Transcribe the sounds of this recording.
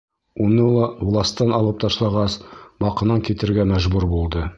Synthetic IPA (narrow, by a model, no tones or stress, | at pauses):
unɤlˠɑvlˠɑst̪ːɑnɑlˠɤp̚t̪ʰɑʃlˠɑʁɑsbɑqɤ̆nɑŋkʲit̪ɘ̆ɾɡæmæʒbʉɾbulˠd̪ɤ